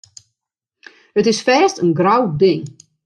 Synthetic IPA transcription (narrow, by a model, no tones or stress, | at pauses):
ətɪsfɛːstənɡrawdɪŋ